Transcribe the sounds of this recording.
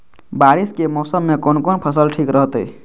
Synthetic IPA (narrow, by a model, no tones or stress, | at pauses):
baɾiskemɔːsəmːekonkonpʰəsəlʈʰikɾəɦt̪ə